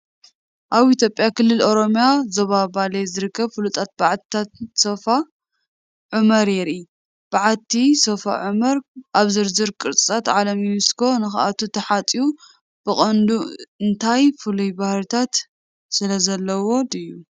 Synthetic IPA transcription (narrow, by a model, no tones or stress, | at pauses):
ʔaβit̪ʰjo̞pʼjakɨlːɨlo̞ɾo̞mjazoβabalezɨɾɨkːɐβfɨlut̪ʰʼat̪̚baʕat̪t̪ʰat̪sofa | ʕumɐɾjɛɾi | b̥aʕat̪ʰːisofa̰ʕumɐɾʔaβzɨɾzɨɾkʼɨɾt̪ʼsʼat̪ʕalɐmimɨskʰo̞nɨxa̰ʔat̪ʰut̪ʰɐħat͡s̪ʼiu | b̥ɨχʼɐnd̪uɨnt̪ʰajfɨlujbahɾɨt̪ʰat̪ | sɨlɐzɐlːɐwo̞d̪ɨjːu